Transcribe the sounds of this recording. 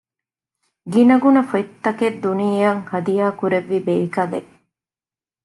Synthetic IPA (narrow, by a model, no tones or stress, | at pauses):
ɡinɐɡunɐfɐt̪ːɐked̪ːuniɐŋhɐd̪ijaːkuɾeʋːibeːkɐlḛ